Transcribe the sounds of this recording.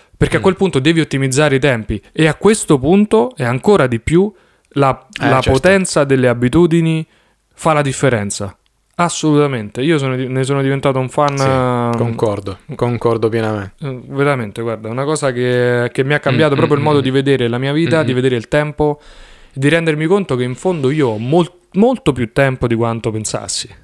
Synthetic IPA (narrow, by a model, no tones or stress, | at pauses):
perkeakːwelpunt̪od̪ɛːviot̪ːimid̪zːaːɾeit̪ɛmpieakːwest̪opunt̪oɛaŋkoːɾad̪ipːju | lalapot̪ɛnt̪sad̪elːeabːit̪uːd̪ini | falad̪ifːeɾɛnt̪sa̰ | asːolut̪ament̪eiːos̬oːnoines̬oːnod̪ivent̪aːt̪ouɱfankoŋkɔrd̪okoŋkɔrd̪opjɛːnameveɾament̪eɡward̪aunakɔːsak̟ekemːiakːambjaːt̪̬opɾɔːpɾoilmɔːd̪od̪ived̪eːɾelamiːaviːt̪ad̪ived̪eːɾeilt̪ɛmpoed̪ːiɾɛnd̪ermikont̪okeiɱfond̪oiːoɔmo | molt̪opjut̪ːɛmpod̪ikwant̪opensa̰sːi̥